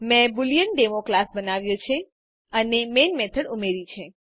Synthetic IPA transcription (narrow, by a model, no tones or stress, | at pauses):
mɛ̃buljənɖemoklasbənaʋjõt͡ʃʰe | ənemenmɛt̪ʰəɽumeɾit͡ʃʰe